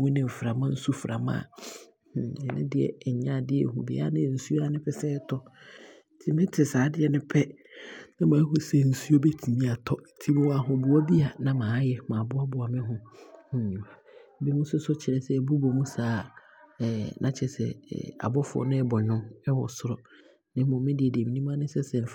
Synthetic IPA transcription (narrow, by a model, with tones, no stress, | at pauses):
wũ˦nɪ̃˨m̩˨fɾa˨mã˦n̩˦su˦fɾa̰˨mã̰˦˨ | hɛ˨nɪ̰̃˦dɪ˨ɛ̰˨ɲã˦˨dɪ˦ɛ̰˦˨ɦũ˨bɛ̰˨˦a̰˦nɪ̃˦˨n̩˨su˦o˦a˦nɪ̃˦pʰɛ˦sɛ˦tʰɔ˦˨ | tʰɪ˦mɪ̃˦tʰɪ˨saː˨˦dɪ˦ɛ˨nɪ̃˦pʰɛ˦ | nã˦mãː˨˦ɦɔ˦sɛ˦˨n̩˨su˦o˦bɛ˦tʰi˨mĩ˦a˨tʰɔ˦˨tʰi˦m̃˦wɔ˦a˨ɦʊ̃˨bʊ˨ɔ˦bi˦a˨nã˦mãː˨˦jɛ˨mã˨bʊ˦a˦bʊ˨a˨mɪ̃˦ɦʊ̃˨hʊ̃˦ɲ˨ʊ̃˨a˨˦bɛ˦mũ˦sʊ˦sʊ˦t͡ɕʰɪ˨ɾɛ˨sɛ˦˨bu˦bo˨mũ˦saː˨˦˨ | nʔã˦t͡ɕʰɛ˨sɛ̰˨a̰˨bɔ˦fʊ˦ɔ̰˦nɪ̃˦ɛ˦bɔ˨ɲʊ̃˦mɛ˦wɔ̰˨sʊ˦ɾɔ˨ | nɪ̃˦mʊ̃˨mɪ̃˦dɪ˨ɛ˨dɪ˨ɛ˨mĩ˨nĩ˦m˦a˦nɪ̃˦sɛ˦sɛ̃˨n˨f